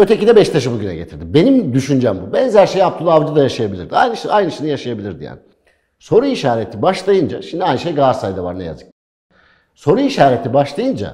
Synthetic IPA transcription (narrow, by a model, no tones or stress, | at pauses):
ø̞t̪ʰe̞cid̪ɛbɛʃt̪ʰaʃɯbuɟynɛ̰ɟe̞t̪ʰiɾd̪ibe̞nimd̪yʃynd͡ʒɛmbubɛnzæɾʃejap̚t̪ʰulˠavd͡ʒɯd̪ajaʃajabilʲiɾd̪iajnɯʃajnɯʃinijaʃajabilʲiɾd̪ija̰ːni | so̞ɾuiʃaːɾet̪ʰibaʃlˠajɯnd͡ʒa̰ʃimd̪iajnɯʃejɡaɾsajd̪ava̰ɾnɛja̰zɯ̥k̚ | so̞ɾuiʃaːɾe̞t̪ʰibaʃlˠajɯnd͡ʒa̰